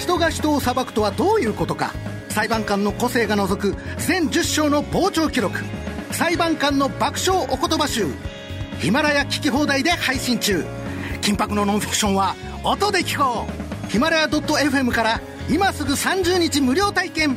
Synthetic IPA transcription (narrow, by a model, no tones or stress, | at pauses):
çi̥t̪o̞ɡaçʲi̥t̪o̞ːsabakɯ̟̥t̪o̞βad̪o̞ːjɯ̟ːko̞t̪o̞ka̰ | saibãŋkãnːo̞ko̞se̞ːɡano̞zo̞kɯ̟zẽ̞ɲ̟d͡ʑɨɕːo̞ːno̞bo̞ːt͡ɕo̞ːkʲiɾo̞kɯ̟̥saibãŋkãnːo̞bakɯ̟̥ɕo̞ːʔoko̞t̪o̞baɕɨː | çimaɾajakʲi̥kʲiɦo̞ːd̪aid̪e̞haiɕĩɲ̟t͡ɕɨː | kʲĩmpakɯ̟no̞nõfʲi̥kɯ̟̥ɕõ̞ɰ̃βa | ot̪o̞d̪e̞kʲi̥ko̞ːçimaɾajad̪o̞t̪ːo̞e̞ɸɯ̟e̞mɯ̟kaɾa | imasɨɡɯ̟sãɲ̟d͡ʑɨːɲ̟it͡ɕimɯ̟ɾʲo̞ːt̪aikẽ̞m